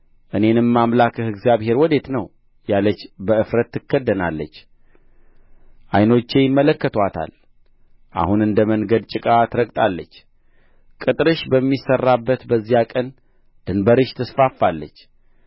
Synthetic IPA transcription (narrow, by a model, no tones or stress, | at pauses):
ʔɨne̞nɨmːamlakɨhɨɡzijaβhe̞ɾwɔd̪e̞t̪nəw | jalət͡ʃːbəɨfɾət̪ːɨkːəd̪ːənalːət͡ʃː | ʔajno̞t͡ʃːe̞jɪmːələkːət̪ʰwat̪ʰa̰l | ʔa̰hunɨnd̪əmənɡəd̪t͡ʃʼɨkʼat̪ɾəɡʼt̪ʼalːət͡ʃː | kʼɨt̪ʼɾɨʃbəmːisərːabːət̪bəzːijakʼən | d̪̥ɨnbəɾɨʃt̪ʰɨsfafːalːət͡ʃː